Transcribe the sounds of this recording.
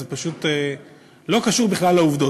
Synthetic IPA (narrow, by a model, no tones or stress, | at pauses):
zepaʃut̪e | lo̞kaʃuʁbiχlalːeuvd̪o̞